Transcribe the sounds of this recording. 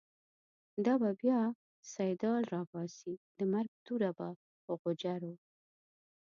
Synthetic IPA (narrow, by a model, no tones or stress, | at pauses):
d̪ɑbabjɑ | sajd̪ɑlɾɑbɑsid̪̥əmaɾɡ̚t̪uɾaba | oɣʊd͡ʒaɾo